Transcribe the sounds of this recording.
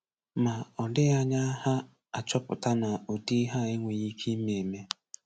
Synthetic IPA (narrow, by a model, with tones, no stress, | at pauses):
ma˨ɔ˨dɪ˦ɣa˦ɲa˦ha˦ | a˨t͡ʃɔ˦pʊ̰˨ta˦na˨o˨di˦ɦa˦˨e˦ŋʷe˨ɣi˦kʰe˦me˨me˦